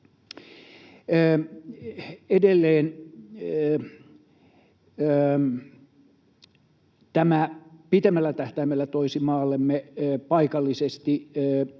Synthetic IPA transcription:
edelːeːn | t̪æmæpit̪emːælːæt̪æht̪æimelːæt̪oisimɑːlːemːepɑikɑlːisest̪i

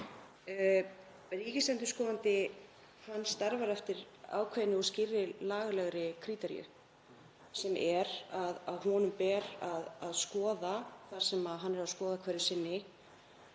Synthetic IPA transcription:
riːcɪst̪ɛnt̪ʏ̥skɔːðant̪ɪ | hanːst̪aɾvaɾɛft̪ɪɾ | a̰ːwkʰvɛjnɪɔɣscɪrːɪlaːɣlɛɣɾɪkʰɾiːt̪ɛɾḭʏ̰ | sɛmʔɛɾaðaðhɔnʏmpɛːɾaðaðskɔːðaθaɾ̥sɛmaðɦanːɛɾaskɔːðakʰvɛːɾɪsɪnːɪ

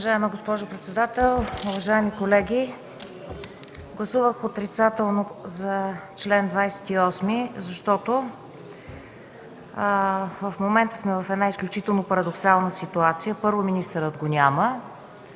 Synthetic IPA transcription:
ʊvɐʒaɛməɡospɔʒʊpɾɛt̪sɛd̪at̪ɛlˠuvɐʒaɛmikolɛɡʲi | ɡlˠɐsuvəxot̪ɾit̪sat̪ɛlˠnozɐt͡ʃlɛnd̪vajsɛ̥t̪iɔsmizɐʃt̪ɔt̪o | vəfmomɛnt̪ə̥smɛvɐfɛd̪naisklʲut͡ʃit̪ɛlˠnopɐɾɐd̪oksalˠnəsit̪uat̪sijəpɤɾvominist̪əɾəd̪ɡonʲamə

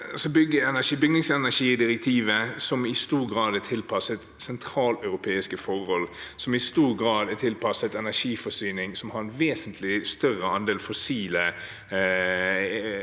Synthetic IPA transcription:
sɔbʏɡːəɛnæʂibʏɡnɪŋsɛnæʂiːd̪ɪɾɛk̚t̪ʰiːʋəsɔmɪst̪uːɾɡɾɑːd̪ət̪ʰɪlpʰɑsəɛt̪sɛnt̪ʰɾɑːlœʉɾʊpʰeːɪskəfɔɾɔlsɔmɪst̪uːɾɡɾɑːd̪ɛt̪ʰɪlpʰɑsəɛt̪ɛnæʂiːfɔsyːnɪŋsɔmhɑɾɛnʋeːsənt̪ʰlɪst̪œɾəɑnd̪eːlfɔsiːlə

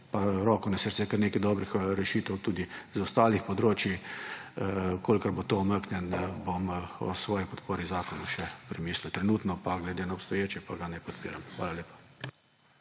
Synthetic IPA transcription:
paɾɔːkɔnɛsəɾsɛkəɾneːkɛd̪ɔːbɾixɾɛʃiːt̪ɛwt̪uːd̪izɔst̪aːlixpɔd̪ɾoːt͡ʃji | kʰoːlkɐɾbot̪oːməknʲɛnbomɔ̰sʋɔːjipɔt̪poːɾizaːkɔnuʃɛpɾɛmiːsliwt̪ɾɛnuːt̪nɔpaɡlɛd̪eːnaɔpst̪ɔjeːt͡ʃɛpaɡanɛjpɔt̪pḭːɾamxʋaːlaleːpḁ

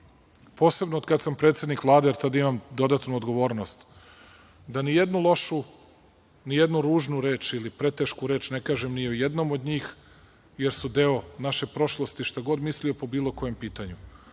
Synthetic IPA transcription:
po̞ːse̞bnood̪kad̪sampɾet̪sje̞d̪nikʋlˠaːd̪ajeɾt̪ad̪aimamd̪o̞d̪at̪nuod̪ɡo̞ʋo̞ːɾno̞st̪ | d̪anije̞d̪nulˠo̞ʃu | nijed̪nuɾuːʒnuɾeːt͡ʃilipɾe̞t̪eʃkuɾe̞ːt͡ʃnekaːʒemnijeojed̪no̞mo̞d̪ɲiːx | je̞ɾsud̪eonaʃe̞pɾo̞ʃlˠo̞st̪iʃt̪aɡo̞d̪mislio̞po̞biːlˠo̞ko̞je̞mpiːt̪aɲu

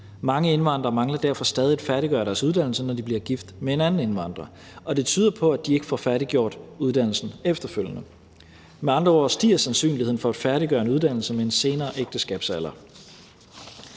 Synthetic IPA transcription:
mɑ̈ŋəe̝nʋɑ̈nd̥ʁɐːmɑ̈ŋlɐd̥æɐ̰fɒ̽sd̥ɛːð̞ˠid̥fæɐɾ̥iɡ̥ɶ̰ɐɾæɐsuð̞ˠd̥æn̰l̩sənɒd̥ib̥liɐɡ̥ifd̥mee̝nænn̩e̝nʋɑ̈n̰d̥ʁɐ | ɒ̽d̥e̝t͡sʰyːð̞ˠɐpʰɒ̽æd̥ie̝ɡ̥əfɒfæɐɾ̥iɡ̥jo̝ɐ̰d̥uð̞ˠd̥æn̰l̩sn̩efd̥ɐføljənə | meɑ̈nd̥ʁɐɒsd̥ḭːɐsænsy̰ːnlihe̝n̩fɒ̽æd̥fæɐɾiɡ̥ɶːɐe̝nuðˠd̥æn̰l̩səmee̝nse̝ːnɐːʔeɡ̥̚d̥əsɡ̥ɛ̰ːb̥sæl̰ɐ

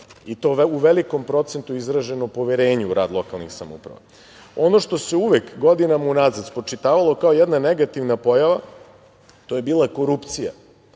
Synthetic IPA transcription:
it̪o̞ːuʋeliko̞mpɾo̞t̪se̞nt̪uizɾaʒe̞nopo̞ʋeɾe̞ːɲuɾaːd̪lˠo̞kalˠnixsamṵpɾa̰ʋa̰ | o̞noʃt̪o̞se̞uʋekɡo̞d̪inamaunazat̪spɾot͡ʂit̪aːʋalˠo̞kao̞jɛd̪naneɡat̪iʋnapo̞jaʋa | t̪o̞jebiːlˠako̞ɾupt̪sija̰

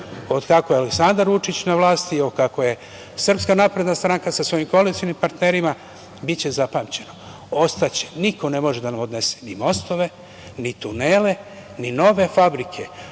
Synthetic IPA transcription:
o̞d̪kakojealeksand̪aɾʋut͡ʃit͡ɕnaʋlaːst̪iokako̞je̞ | sr̩pskanapɾe̞d̪nast̪ɾaŋkasasʋo̞jimkoalit̪ionimpaɾt̪neɾima | bit͡ɕe̞zapaːmt͡ɕe̞no̞ | o̞st̪at͡ɕe̥niko̞ne̞mo̞ʒed̪anamo̞d̪ne̞se̥nimo̞st̪o̞ʋe̞ | nit̪uneːle̞ | nino̞ʋe̞fabɾikʰe̞

